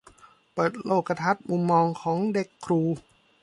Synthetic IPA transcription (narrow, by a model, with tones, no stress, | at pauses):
pɤː˨˩t̪̚loː˥˩ka˧t̪ʰa˦˥˩t̪̚mu˧mːɔː˧ŋkʰɔː˩˦ŋde˨˩kʰːɾuː˧